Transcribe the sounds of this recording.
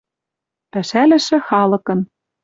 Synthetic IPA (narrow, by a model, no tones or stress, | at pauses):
pæʃælɘ̆ʃɘ̆xɑlɤ̆kɤ̆n